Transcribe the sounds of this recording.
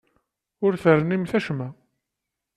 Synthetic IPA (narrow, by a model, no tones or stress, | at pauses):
ʊɾθəɾənimθæʃmæ